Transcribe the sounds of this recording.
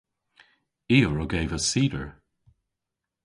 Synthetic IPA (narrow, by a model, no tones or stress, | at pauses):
iːəɹəɡeːvəsiːdəɹ